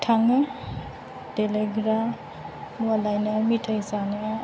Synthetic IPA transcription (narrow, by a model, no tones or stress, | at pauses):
tʰaŋɯ | deleɡɾa | nualajnɯmitʰajsanɯ